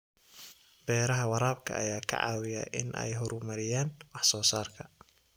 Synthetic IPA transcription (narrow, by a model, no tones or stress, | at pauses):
bɛːɾɐɦɐwɑɾaːbkʰɐ̰ɐjaːkʰɐ̰ʕɑ̰ːwɪja̰ʔɪnʔɛ̰jɦɔɾʊmɐɾɪjaːnwɑħsɔːsaːrkʰɐ